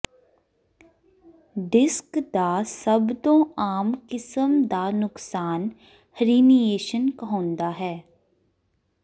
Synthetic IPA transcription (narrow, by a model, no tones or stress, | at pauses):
ɖɪskd̪aːsəbd̪õːaːmkɪsəmd̪aːnʊksaːn | həɾiːnijeːʃənkəɦõːnd̪aːɦɛː